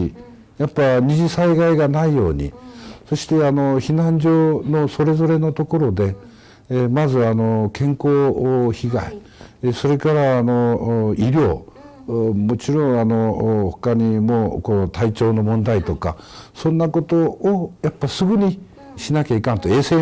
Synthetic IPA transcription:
i | japːaɲiʑisaiɡaiɡanaijo̞ːɲ̟ḭso̞ɕi̥t̪e̞ano̞çinãɲ̟d͡ʑo̞ːno̞so̞ɾe̞zo̞ɾe̞no̞t̪o̞ko̞ɾo̞d̪e̞ | mazɨano̞kʰẽ̞ŋko̞ːçiɡa̰i | so̞ɾe̞kaɾaːno̞iɾʲo̞ː | mo̞t͡ɕiɾõ̞ŋ̃ano̞ho̥kaɲ̟imoːko̞ːt̪ait͡ɕo̞ːno̞mõ̞nd̪ait̪o̞ka̰sõ̞nːako̞t̪o̞ːjapːasɨɡɯɲ̟i | ɕinakʲaikãnt̪oe̞ːseː

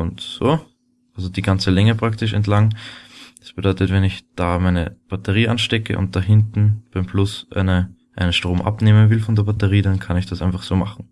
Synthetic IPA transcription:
ʊntzoː | ʔalzodiːɡant͡səlɛŋəpʁ̥aktɪʃ̬ɛ̰ntlaŋ | ḁsb̥ədɔʏtətvɛnɪçd̥aːmaɪnəb̥atəʁiːʔanʃtɛkə̰ʔʊ̰̃nt̚d̥aɦɪntn̩b̥aɪmflʊsʔnə | ʔaɪnənʃtʁ̥oːmʔa̰pneːmənvɪlfɔndeːɐbatəʁiːdankʰanɪçd̥asʔaɪnfaχz̥oːma̰χn̩

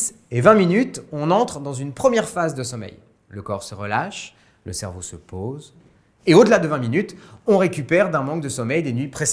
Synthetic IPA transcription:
evɛ̃minyt̪ɔ̃nɑ̃t̪χd̪ɑ̃zynpχəmjɛʁfazd̪əsɔmɛ̰j | ləkɔʁsəʁəlaʃ | ləsɛ̰ʁvosəpoz | eod̪əlad̪əvɛ̃minyt̪ɔ̃ʁekʲypɛʁd̪ɛ̃mɑ̃kd̪əsɔmɛjd̪enɥipχes

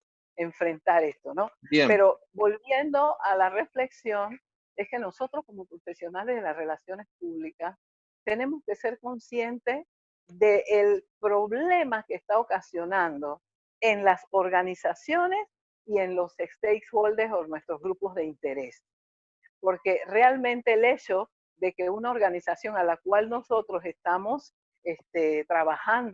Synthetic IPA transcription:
e̞ɱfɾe̞nt̪aɾe̞st̪o̞no̞bjepe̞ɾo̞ | bo̞lβje̞nd̪o̞ʔalare̞fle̞ksjo̞n | e̞ske̞no̞so̞t̪ɾosko̞mo̞koofe̞sjo̞nale̞zðelasre̞lasjo̞ne̞sp̚uβlikas | t̪e̞ne̞mo̞ske̞se̞ɾko̞nsje̞nt̪e̞s | ðe̞ʔːlpɾo̞βle̞makeːst̪ao̞kasjo̞nãnd̪o̞ | enlaso̞ɾɣanisasjo̞ne̞s | ie̞nlo̞sekst̪ejkshold̪eɾsonwe̞st̪ɾo̞zɣɾupo̞zðeint̪e̞ɾe̞s | po̞ɾke̞realmẽ̞nt̪e̞ːle̞t͡ʃo̞ | ðe̞keunaoɾɣanisasjo̞ŋalakwalno̞so̞t̪ɾo̞se̞st̪amo̞s | est̪et̪ɾaβaxand̪

